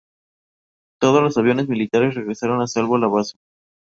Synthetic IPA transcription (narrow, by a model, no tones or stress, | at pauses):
t̪o̞ð̞o̞zlo̞saβjo̞ne̞zmilit̪aɾe̞sre̞ɣɾesaɾo̞nasalβolaβaso̥